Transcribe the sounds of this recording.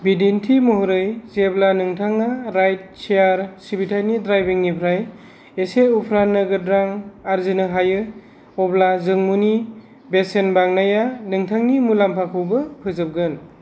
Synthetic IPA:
bidintʰimɔɦuɾɯjzeblanɯŋtʰaŋaɾajt̚seaɾsibitʰajnidɾajbiŋnipʰɾaj | eseupʰɾanɯɡɯdɾaŋaɾzinɯɦajɯ | ɔblazɯŋmuni | besenbaŋnajanɯŋtʰaŋnimulampʰakʰɯwbɯpʰɯzɯp̚ɡɯn

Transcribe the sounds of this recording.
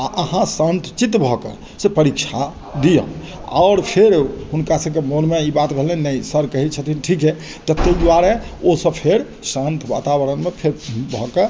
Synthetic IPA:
a̰ʔəɦãsənt̪ʰt͡ʃit̪bʱɔkḛ | sepəɾikt͡ʃʰa | d̪ijə̰̃ | a̰ʊɾpʰeɾɦunkasəbkemonmeibat̪bʱeɦlɛnnəjsəɾkəɦit͡ʃʰət̪ʰinʈʰike | t̪ət̪ːejd̪waɾeosəbpʰeɾ | sə̃nt̪ʰba̰t̪abəɾənmepʰeɾbʱɔke

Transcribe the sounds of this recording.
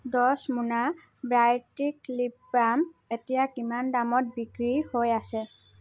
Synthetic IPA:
dɔsmuna | bɹajtiklipɹametijakimandamɔt̚biɡɹihojasɛ

